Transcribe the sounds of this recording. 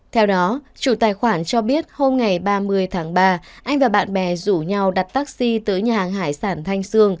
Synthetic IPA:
t̪ʰɛ˧wɗɔ˨˦t͡ɕṵ˧˩t̪aː˨˩jxwaː˧˩nt͡ɕɔ˧ɓi˦˥ət̚ho˧mŋa˨˩jɓaː˧mɨ˧əjt̪ʰaː˨˦ŋɓaː˧ʔa˧jŋ̟vaː˨˩ɓa̰ː˧˨nɓɛ̰˨˩zu˧˩ɲa˨˧˩wɗa˨˩t̚t̪aː˦˥k̚si˧t̪əː˨˦jɲaː˨˩aː˨˩ŋɦaː˧˩jsaː˧˩nt̪ʰa˧jŋ̟sɨ˧əŋ

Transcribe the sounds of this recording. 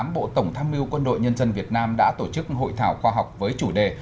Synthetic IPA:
a˨˦mɓo̰˧˨t̪ə˧˩wŋ͡mt̪ʰaː˧mi˧əwkwə˧nɗo̰˧˨jɲə˧nzə˧nvi˨˩ət̚naː˧mɗa̰ː˧˥t̪o˧˩t͡ɕɨ˦˥k̚ɦo̰˧˨jt̪ʰaː˧˩wxwaː˧ɦa˨˩wk͡p̚vəː˨˦jt͡ɕu˧˩ɗe˨˩

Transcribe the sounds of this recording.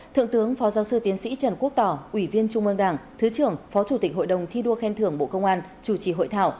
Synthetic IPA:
t̪ʰɨ̰˧˨əŋt̪ɨ˨˦əŋfɔ˨˦zaː˨˦wsɨ˧t̪i˨˦ənsḭ˧˥t͡ɕə˧˩nku˦˥ək̚t̪ɔ˧˩ʔwi˧˩vi˧ənt͡ɕʊ˧ŋ͡mʔə˧ŋɗaː˧˩ŋt̪ʰɨ˨˦t͡ɕɨ˧˩əŋfɔ˨˦t͡ɕu˧˩t̪i˨˩k̟̚ɦo̰˧˨jɗə˨˩wŋ͡mt̪ʰi˧ɗu˧əxɛ˧nt̪ʰɨ˧˩əŋɓo̰˧˨kə˧wŋ͡mʔaː˧n | t͡ɕu˧˩t͡ɕi˧˩ɦo̰˧˨jt̪ʰa̰ː˧˨w

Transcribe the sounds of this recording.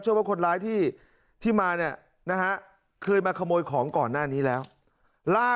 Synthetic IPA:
ɯ˥˩˨waː˥˩kʰo˧nɾaː˦˥jt̪ʰiː˥˩ | t̪ʰiː˥˩maː˧ni˥˩ɐ | na˦˥kʰa˦˥ | kʰɤː˧jmaː˧kʰa˧moː˧jkʰɔː˩˦ŋkɔː˨˩nːaː˥˩niː˦˥lɛː˦˥w | laː˥˩

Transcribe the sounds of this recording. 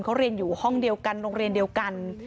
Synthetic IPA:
nkʰa˦˥wɾi˧ənjuː˨˩hɔ˥˩ŋdi˧əwka˧nɾoː˧ŋɾi˧əndi˧əwwka˧n

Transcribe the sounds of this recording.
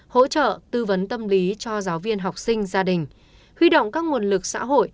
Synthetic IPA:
ho̰˧˥t͡ɕə̰ː˧˨t̪ɨ˧və˨˦nt̪ə˧mli˨˦t͡ɕɔ˧zaː˨˦wvi˧ənɦa˨˩wk͡p̚sï˧ŋ̟zaː˧ɗï˨˩ŋ̟ | hwi˧ɗo̰˧˨wŋ͡mkaː˦˥k̚ŋu˨˩ənlɨ˨˩k̚sa̰ː˧˥ɦo̰˧˨j

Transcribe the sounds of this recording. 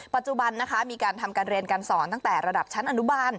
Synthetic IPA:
pa˨˩t̪̚t͡ɕu˨˩ba˧nːa˦˥kʰa˦˥miː˧kaː˧nt̪ʰa˧mkaː˧nɾi˧nka˧nsɔː˩˦nt̪a˥˩ŋt̪ɛː˨˩ɾa˧da˨˩p̚t͡ɕʰa˦˥nʔa˧nu˦˥baː˧n

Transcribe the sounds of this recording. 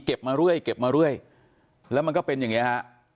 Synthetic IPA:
ke˨˩p̚maː˧ɾu˥˩əjke˨˩p̚maː˧ɾu˥˩əj | lɛ˦˥wma˧nkɔː˥˩pe˧nja˨˩ŋi˦˥˧ha˦˥ʔ

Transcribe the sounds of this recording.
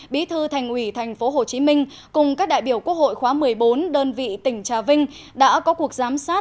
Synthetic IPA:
ɓi˨˦t̪ʰɨ˧t̪ʰɛ˨˩jŋ̟ʔwi˧˩t̪ʰɛ˨˩jŋ̟fo˨˦ɦo˨˩t͡ɕi˨˦mï˧ŋ̟ | kʊ˨˩ŋ͡mkaː˦˥k̚ɗa̰ː˧˨jɓi˧˩əwku˦˥ək̚ho̰˧˨jxwaː˨˦mɨ˨˩əjɓo˨˦nɗəː˧nvḭ˧˨t̪ï˧˩ŋ̟t͡ɕaː˨˩vï˧ŋ̟ | ɗa̰ː˧˥kɔ˨˦ku˨˩ək̚zaː˨˦msaː˦˥t̚

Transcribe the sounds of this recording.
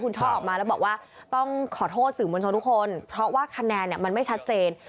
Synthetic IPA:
kʰu˧nt͡ɕʰɔː˥˩ʔɔː˨˩k̚maː˧lɛ˦˥wbɔː˨˩kwaː˥˩ | t̪ɔ˥˩ŋkʰɔː˩˦t̪ʰoː˥˩t̪̚sɯː˨˩˦mo˧t͡ɕʰa˧t̪ʰu˦˥kʰːo˧npʰɾɔ˦˥waː˥˩kʰa˧nɛː˧nːi˨˩ɐma˧nma˥˩jt͡ɕʰa˦˥t̪̚t͡ɕeː˧n

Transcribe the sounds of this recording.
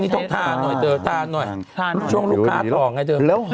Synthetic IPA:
ni˧˦t̪ʰɔ˧˩t̪ʰaː˧˨˩nɔ˨˩t̪əː˨˧˩t̪ʰaː˧˩nɔ˨˩j | t͡ɕʰu˧ŋlu˦˥kʰːaː˦˥ɔː˨˩˦ŋa˧˩jt̪əː˧˩˧

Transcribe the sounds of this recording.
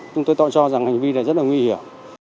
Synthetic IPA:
t͡ɕʊ˧ŋ͡mt̪o˧jt̪ɔ̰˧˨nt͡ɕɔ˧za˨˩ŋha˨˩ŋ̟vi˧la̰ː˧˨zə˦˥t̚la˨˩ŋwi˧hi˧˩əm

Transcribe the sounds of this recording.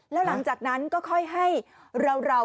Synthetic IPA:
lɛː˦˥wla˩˦ŋt͡ɕaː˨˩k̚na˦˥nkɔː˥˩kʰɔ˥˩jɦa˥˩j | ɾa˧wɾa˧

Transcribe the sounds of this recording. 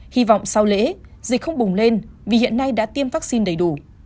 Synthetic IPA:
hi˧vɔ̰˧˨wŋ͡msa˧wlḛ˧˥zï˨˩k̟̚xə˧wŋ͡mɓʊ˨˩ŋ͡mle˧nvi˨˩hḭ˧˨ənːa˧jɗa̰ː˧˥t̪i˧əmvaː˦˥k̚si˧nɗə˨˩jɗu˧˩

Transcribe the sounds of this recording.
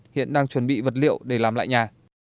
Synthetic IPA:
hḭ˧˨ənɗaː˧ŋt͡ɕwə˨˩nɓḭ˧˨və˨˩t̚lḭ˧˨əwɗe˧˩laː˨˩mla̰ː˧˨jɲaː˨˩

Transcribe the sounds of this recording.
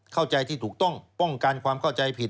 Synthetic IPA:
kʰa˥˩wt͡ɕa˧jt̪ʰiː˥˩t̪ʰuː˨˩k̚t̪ɔ˥˩ŋpɔ˥˩ŋka˧nkʰwaː˧mkʰa˥˩wt͡ɕa˧jpʰi˨˩

